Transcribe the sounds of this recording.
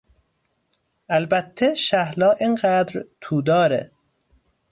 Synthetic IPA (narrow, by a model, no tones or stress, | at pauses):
ælbæt̪ʰːeʃæhlɒːʔenɢæːd̪ɾt̪ʰuːd̪ɒːɾḛ